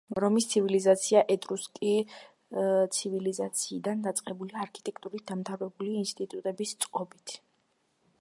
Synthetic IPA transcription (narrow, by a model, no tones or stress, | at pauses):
ɾɔmist̪sʰivilizat̪sʰiaʔɛd̪ɾuskʼi | t̪sʰivilizat̪sʰiːd̪and̪at̪sʼqʼɛbuliaɾkʰit̪ʼɛk̚ʰt̪ʼuɾit̪̚d̪amt̪ʰavɾɛbuliːnst̪ʼit̪ʼut̪ʼɛbist̪sʼqʼɔbit̪ʰ